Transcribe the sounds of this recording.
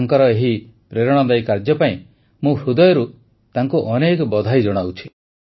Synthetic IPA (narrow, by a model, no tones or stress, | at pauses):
ŋkɔɾɔeɦipɾeɾɔɽ̃ɔd̪ajkaɾd͡ʒɔpaĩ | mũhʰud̪ɔjɔɾu | t̪aŋkuʔɔnekɔbɔd̪ʱajd͡ʒɔɽ̃awt͡ʃʰi